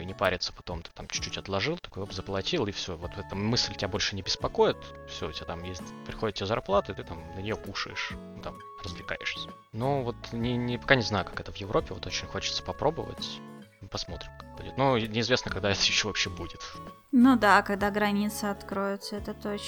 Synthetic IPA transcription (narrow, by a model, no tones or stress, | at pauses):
nʲɪpaɾʲɪt̪sə̥pɐ̥t̪o̞mt̪ɨ̥t̪amt͡ɕt͡ɕːutʲɐt̪lˠɐʐɨlˠt̪ɐ̥kojopzəplˠɐtʲilˠɪfsʲovot̪vt̪ɛt̪əmɨsʲlʲtʲɪbʲabo̞lʲʂɨnʲɪbʲɪspɐko̞jɪt̪fsʲoʊ̰tʲɪat̪amjesʲtʲpɾʲɪxo̞dɪt̪t̪ʲːɪazɐrplˠat̪ɨɪt̪ɨt̪amnənʲɪjokuʂə̰ɪʂ | t̪am | rəzvlʲɪka̰ɪ̰ʂsʲə | novo̞t̪nʲɪnʲɪpɐkanʲɪznajʊkḁkɛt̪əvjɪvɾo̞pʲɪvo̞t̪o̞t͡ɕɪnʲxo̞t͡ɕɪ̥t̪sə̥pɐpɾo̞bəvə̰tʲ | pɐsmo̞t̪ɾʲɪmkḁk̚bṵdʲɪt̪nonʲɪɪzvʲe̞snəkɐɡd̪aɛt̪ə̥jɪɕːovɐpɕːebudʲɪt̪ | nud̪akɐɡd̪aɡɾɐnʲit̪səɐt̪kɾojɪt̪səɛt̪ət̪ot͡ɕ